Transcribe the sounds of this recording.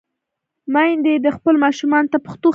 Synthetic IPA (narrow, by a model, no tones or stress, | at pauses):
majnd̪ed̪əxpəlmɑʃumɑnt̪apəxt̪o